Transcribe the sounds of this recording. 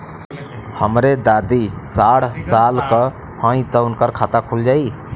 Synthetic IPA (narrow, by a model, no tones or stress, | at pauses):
həmɾed̪ad̪isaɽsalkə | hãĩt̪əunkəɾkʰat̪akʰuld͡ʒai